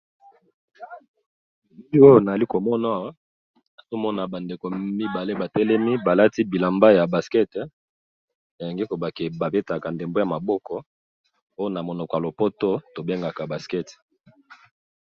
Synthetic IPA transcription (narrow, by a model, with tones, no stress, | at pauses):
m˦i˦o˦jo˦na˨a˨li˦ko˨mɔ˦na˦wa˦ | na˨zo˦mɔ˦na˨ba˨nde˨ko˨mi˦ba˨le˦ba˨tɛ˦lɛ˦mi˦ba˨la˦ti˦bi˨la˨mba˦ja˨ba˨skɛ˦t | na˨je˨ŋɡe˦ko˨ba˨ke˨ba˨be˦ta˨ka˨nde˨mbo˦ja˨ma˨bɔ˦kɔ˦ | o˦jo˦na˨mo˨nɔ˨kɔ˨ja˨lo˨po˦to˦to˨be˦ŋɡa˨ka˨ba˨skɛ˦t